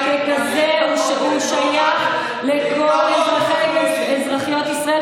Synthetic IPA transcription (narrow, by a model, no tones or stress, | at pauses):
vekazeoʃeʔuʃajaχ | lekolezʁaχe | ezʁaχijo̞t̪isʁae